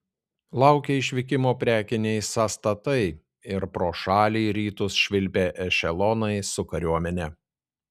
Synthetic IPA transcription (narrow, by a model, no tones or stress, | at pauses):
lˠɑˑʊkʲeɪʃʲʋʲɪkʲɪmoːpʲɾʲæːkʲɪnʲɛɪsɑːst̪ɐt̪ɐɪ | ɪɾpɾoːʃɑːlʲiːɾʲiːt̪ʊsʃʲʋʲɪlʲpʲeːʔɛʃʲɛlˠɔnɐɪsʊkɐɾʲuɔmʲɛnʲɛ